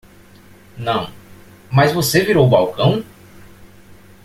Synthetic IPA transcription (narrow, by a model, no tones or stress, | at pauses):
nɐ̃w̃ | mɐzvoseviɾowʊbawkɐ̃w̃